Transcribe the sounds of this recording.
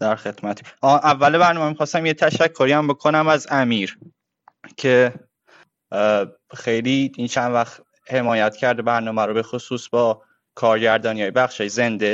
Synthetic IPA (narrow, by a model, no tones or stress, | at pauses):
d̪̥æɾxe̞t̪mæt̪ʰe̥ɒʔævːælebæɾnɒːmemixɒːst̪æmjet̪ʰæʃækʰːoɾiæmbo̞kʰo̞næmæzæmiːɾ | cʰe̞ | xejliint͡ʃʰænd̪væxt̪ | he̞mɒːjæt̪ʰcʰæɾd̪ebæɾnɒːmæɾobe̞xosuːsbɒː | kʰɒːɾɟæɾd̪ɒːnijɒːjebæxʃɒːjeze̞nd̪e